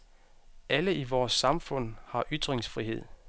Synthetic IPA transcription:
ʔæləiʋɒːsːɑ̈mfɔ̽n̰hɑ̈ʔyd̥ʁeŋsfʁiɦe̝ð̞̰ˠ

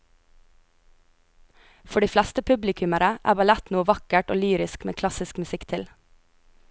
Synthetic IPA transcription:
fɔɖiːflæst̪əpʰʉblɪkʰʉməɾəʔæ̰ːbɑlæt̪nuːəʋɑkəʈoːlyːɾɪskmḛːkʰlɑsɪskmʉsɪkt̪ʰɪl

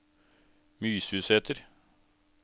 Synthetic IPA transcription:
myːshʉːsheːt̪ʰəɾ

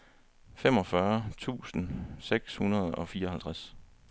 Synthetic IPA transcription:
fem̰ɒ̽fɶɐt͡sʰṵːsn̩seɡ̥shunɐð̞̩ˠɒ̽fiːɐɒhælt͡sʰʁas

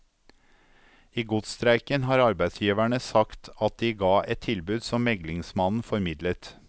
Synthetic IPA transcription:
iːɡʊt̪st̪ɾæɪkənhɑːɾɑɾbæɪd̪sjiːʋæɳəsɑkt̪ʰɑt̪̚d̪iːɡɑːʔɛt̪ʰɪlbʉːd̪sɔmmɛɡlɪŋsmɑnn̩fɔɾmɪd̪lət̪

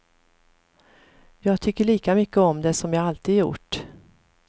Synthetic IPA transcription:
jɑːɡt̪ʰʏkːəɭiːkamʏkːəɔmd̪ɛsɔmjɑːɡalt̪iːd̪jʊ̰ʈː

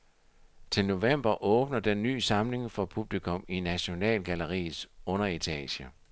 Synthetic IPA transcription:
t͡sʰe̝lno̝ʋem̰b̥ɐʔɔ̽ːb̥nɐd̥enːy̰ːsɑ̈mle̝ŋfɒ̽pʰub̥likʰɔ̽minæɕo̝nɛ̰ːlɡ̥ælɐʁḭːsɔ̽nɐe̝t͡sʰɛ̰ːɕə

